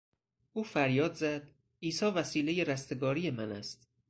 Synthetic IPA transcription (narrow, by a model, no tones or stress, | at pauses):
ʔuːfæɾjɒːd̪zæd̪̚ | iːsɒːvæsiːle̞je̞ɾæst̪e̞ɡɒːɾije̞mænæst̪